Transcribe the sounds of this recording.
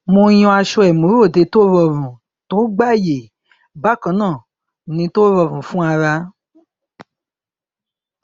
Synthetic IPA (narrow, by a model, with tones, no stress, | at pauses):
mõ˧˦j̃ɔ̃˧a˧ʃɔ˧ɛ˨mõ˨˦ɾo˦˨de˧to˦ɾɔ˧˨ɾũ˨ | to˦ɡ͡ba˦˨je˨ | ba˦kã˦nãː˦˨ | nĩ˧˦to˦ɾɔ˧˨ɾũ˨fũ˦a˧ɾa˧